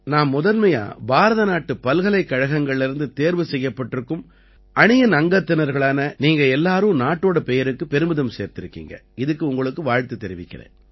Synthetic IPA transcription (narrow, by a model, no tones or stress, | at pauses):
naːmːʊðɐnmɐja̰ːbaːɾɐðɐnaːʈːɯpɐlɣɐlɐɪkːɐɻɐɣɐŋɡɐɭɪɪɾɯnd̪ɯt̪eːɾʋɯsɛjːɐpːɐʈːɪɾɯkːɯm | ʔɐɳɪjɐnɐŋɡɐt̪ːɪnɐɾɣɐɭaːnɐniːŋɡɐɛlːaːɾɯ̃naːʈːoːɽɐpɛjɐɾɯkːɯpɛɾɯmɯðɐmseːɾt̪ɪɾɯkːḭːŋɡɐ̰ | ɪðɯkːɯʊŋɡɐɭɯkːɯʋaːɻt̪ɯt̪ːɛɾɪʋɪ̰kːɪrḛ̃ː